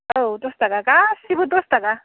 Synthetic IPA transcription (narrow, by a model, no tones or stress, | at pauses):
owt̪ost̪akakasibut̪ost̪aka